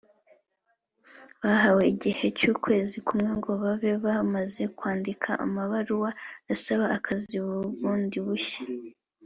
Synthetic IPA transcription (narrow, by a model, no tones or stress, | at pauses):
βaɦawe̞iɟihe̞cuːkwe̞ːzikumŋe̞ŋɡo̞βaβe̞βamaze̞kwaːndikʰaʔa̰maβaɾuwaasaβaːkʰaziβuβuːndiβuçḁ